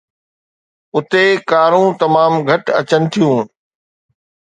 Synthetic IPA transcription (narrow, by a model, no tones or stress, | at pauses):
ʊt̪ekaːɾũːt̪ɐmaːmɡʱɐʈɐ̰t͡ɕənɪ̆t̪ʰijũː